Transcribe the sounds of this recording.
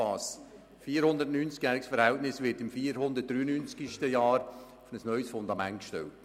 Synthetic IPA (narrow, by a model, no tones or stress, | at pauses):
ɑːs | fiːəɾhʊnd̪ətnyːnt͡skjæːɾɪksfəɾhɛltnɪsʋɪɾtɪmfiːəɾhʊnd̪ət̚d̥ɾyːənynt͡sɡ̥iʃtəjɑːɾ | fnəsnœʏsfʊnd̪ɑmɛntkʃtɛ̰lt